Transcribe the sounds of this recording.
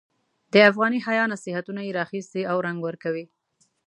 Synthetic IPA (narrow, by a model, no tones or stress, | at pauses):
d̪əafɣɑniɦajɑnasɪhat̪unajeɾɑxist̪iawɾaŋɡwəɾkawi